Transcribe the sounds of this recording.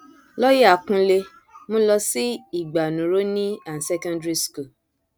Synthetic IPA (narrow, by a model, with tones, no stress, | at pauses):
lɔ˦je˦a˨kũ˧le˧ | mõ˦lɔ˧si˦i˨ɡ͡ba˨nũ˨ɾo˦nĩ˦a˨n̩˨sɛ˦kɔ̃˦ndɾi˦sku˦˨